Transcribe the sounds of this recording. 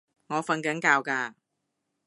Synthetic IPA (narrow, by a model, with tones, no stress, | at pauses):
ŋɔː˨˧fɐ˧nkɐ˨˥nkaː˧wkaː˧